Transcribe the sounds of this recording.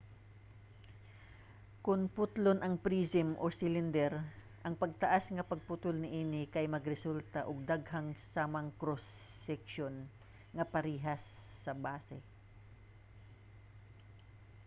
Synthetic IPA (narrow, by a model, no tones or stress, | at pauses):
kʊnpʊt̪lonʔɐŋpɾiːsɪmʔosɪlɪnd̪ɛɾ | ʔɐŋpɐɡ̚t̪ɐʔasŋɐpɐɡ̚pʊt̪ʊlnɪʔiːnɪkɐjmɐɡɾɛsult̪ɐʔoɡ̚d̪aɡɦɐŋsaːmɐŋkɾos | ɛkʃon | ŋɐpɐɾiːɦɐsː | ɐbaːsɛ